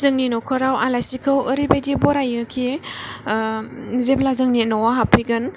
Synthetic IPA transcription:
zɯŋninɔkʰɔɾawalajsikʰɯwəɾibajdibɔɾajɯkʰe | zeblazɯŋnenɔwaɦapʰiɡɯn

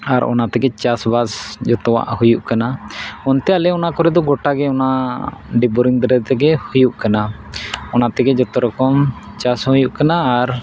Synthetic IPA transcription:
aɾʔɔ̰nat̪ɛɡɛt͡ʃasbasd͡ʒɔt̪ɔwa̰ʔhujuʔkanaɔnt̪ɛalɛɔnakɔɾɛd̪ɔɡɔʈaɡɛɔnaɖibɔɾiŋd̪ɾɛt̪ɛɡɛhujuʔkana | ɔnat̪ɛɡɛd͡ʒɔt̪ɔɾɔkɔm | t͡ʃashujuʔkanaːɾ

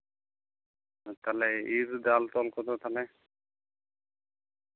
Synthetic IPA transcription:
t̪alɛiɾd̪alt̪ɔlkɔt̪ɔt̪ʰale

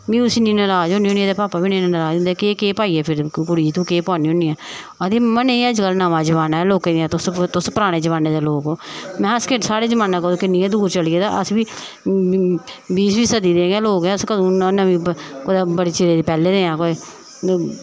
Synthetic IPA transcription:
ʋĩːʊsiːnĩːnəɾaːd͡ʒõːniːõːniːɛːd̪eːpaːpaːʋiːnĩːnːnəɾaːd͡ʒõnd̪ɛːkeːkeːpaːiːɛːpʰɪɾkʊɽiːd͡ʒt̪ũːkeːpɔ̃ːniːɦõːniːɛː | əd̪eːmənẽɛd͡ʒɡəlːnaːʋãːd͡ʒəʋaːnaːɛloːkẽɛ̃ːt̪ʊst̪ʊspəɾaːɽ̃eːd͡ʒəʋaːneːd̪eːloːkoːmɛ̃ːəskesaːɽeːd͡ʒəʋaːnːãːkəd̪õːkɪnːiːɛ̃ːd̪uːɾt͡ʃəlieːt̪aːʔəsʋiː | biːsʋiːsəd̪iːd̪eːɡãːloːkɛːəskəd̪ũːnãːʋĩːkod̪aːbəɽeːt͡ʃeːɾeːd̪iːpɛːleːd̪eːãːko

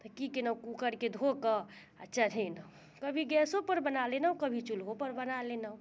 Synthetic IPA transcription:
t̪əkikenəkukəɾked̪ʱokə | ətːʃʰaninə | kəbʱiɡɛsopəɾbənalenəwkəbʱit͡ʃulɦopəɾbənalenəw

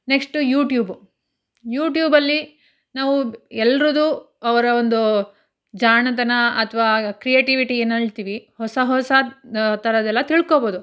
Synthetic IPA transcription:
neksʈujuːʈjuːb | juːʈjuːbɐlːi | naːʋuɛlːɾud̪uː | ɐʋɐɾɐond̪u | d͡ʒaːɳɐt̪̬ɐnɐɐt̪ʰɐʋaːkɾijeːʈiʋiʈienɐɭt̪iːʋihɔsɐɦɔsɐt̪ɐɾɐd̪ɛlːɐt̪iɭkoboːd̪u

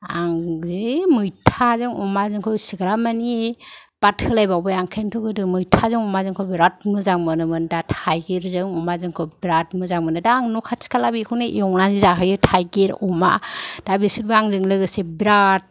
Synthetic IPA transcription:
a̰ŋzimɯjtʰazɯŋɔmazɯŋkʰɯsiɡɾamanipat̚kʰɯlajbawbɯjaŋkʰentʰuɡɯdɯmɯjtʰazɯŋɔmazɯŋkʰɯbɾat̚mɯzaŋmɯnɯmɯndatʰajɡeɾzɯŋɔmazɯŋkʰɯbɾatmɯzaŋmɯnɯdaːŋnukʰasʰi̥kʰalabikʰɯwneʔiɔŋnanzizaɦɯjɯtʰajɡeɾɔma̰d̥abisiɾbɯaŋzɯŋlɯɡɯsebɾat̚

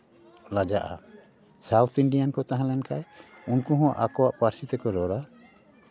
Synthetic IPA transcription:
lad͡ʒaʔa̰ | sawt̪ʰiɳɖijankɔt̪aɦãlɛnkaj | unkuɦɔ̃aʔakɔwaʔpaɾsit̪ɛkɔɾɔɽa

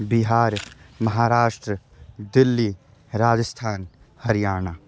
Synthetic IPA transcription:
biɦaːɾmɐɦaːɾaːʃʈɾə | d̪ɪlːi | ɾaːd͡ʒəst̪ʰaːn | hɐɾijaːnaː

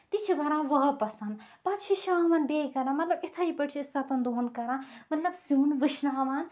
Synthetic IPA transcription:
t̪it͡ʃʰiɡɐɾãːʋɐɦpɐsɐnd̪ | pat̪t͡ʃʰiʃãːʋanbekɐɾãːmɐt̪lɐbit̪ʰɐipɐʈt͡ʃʰist̪ʰat̪ɐnd̪oɦnkɐɾãːmɐt̪lɐbsjunʋɨʃnaʋaːn

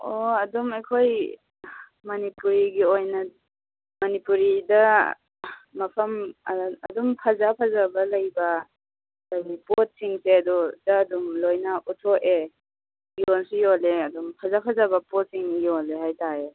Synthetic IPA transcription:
oɐdumejkʰoj | mɐnipuɾiɡiojnɐ | mɐnipuɾidɐ | ɐpʰɐmɐdumpʰazapʰazabɐlɐjbɐ | lajnipot̚siŋseɐdɔdɐːdumlojnaʔutʰɔe | jonsijoleɐdumpʰazapʰazabɐpɔt̚siŋjioleɦajtae

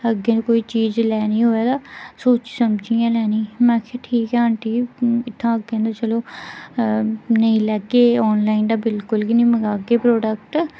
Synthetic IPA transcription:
əɡːẽːd̪okoːiːt͡ʃiːd͡ʒlɛːniːɦoːeːd̪aːsoːt͡ʃsəmd͡ʒijãːlɛːniːmɛ̃ːkʰeʈʰiːkɦɛəɳʈiːɪt̪ʰːãːəɡẽːd̪at͡ʃəloː | nəĩlɛɡeːɔːnlaːɪnd̪aːbɪlkʊlɡinəĩːməɡaːɡeːpɾoːɖəkʈ

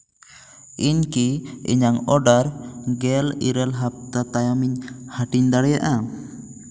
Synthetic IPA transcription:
ʔiɲkiḭɲaŋɔɖaɾɡɛlḭɾɛlɦap̚t̪at̪ajamiɲhaʈiɲd̪aɽɛjaʔa

